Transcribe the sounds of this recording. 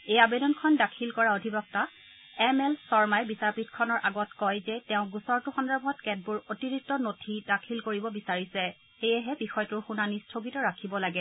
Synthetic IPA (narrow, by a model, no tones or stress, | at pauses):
ejabedɔnkʰɔndakʰilkɔɹaodʱibɔk̚ta | ɛmɛlsɔɹmajɛbisaɹpitkʰɔnɔɹʔaɡɔtkɔjzɛtɛʊ̃ɡusɔɹtʊxɔndɔɹbʱɔtkɛt̚bʊɹotiɹik̚tːɔnotʰidakʰilkoɹibɔbisaɹisɛ | xejɛɦɛbixɔjtʊɹxunanistʰoɡitɔɹakʰibɔlaɡɛ